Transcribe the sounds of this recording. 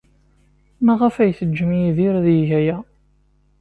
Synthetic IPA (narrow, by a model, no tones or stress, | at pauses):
mæʁæfæjθəd͡ʒːəmiðiɾðjʝæjæ